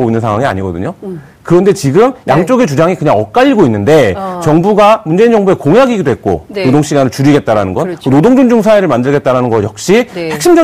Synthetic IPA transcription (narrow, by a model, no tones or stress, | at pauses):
boinɯnsʰaŋɦwaŋia̰ɲiɡʌdɯ̰ɲo | kɯɾʌnde̞t͡ɕiɡɯmjʔaŋt͡ɕ͈oɡe̞t͡ɕud͡ʑaŋikɯɲaŋʌk̚k͈aʎːiɡoinːɯnde̞t͡ɕʌŋbuɡamund͡ʑe̞ind͡ʑʌŋbue̞koŋjaɡiɡidoɦet̚k͈o̰nodoŋɕ͈ʰiɡanɯɭt͡ɕuɾiɡe̞t̚t͈aɾanɯnɡʌnonodoŋd͡ʑond͡ʑuŋsʰaeɾɯɭmandɯɭɡe̞t̚t͈aɾanɯnɡʌjʌk̚ɕ͈ihe̞k̚ɕ͈ʰimd͡ʑʌ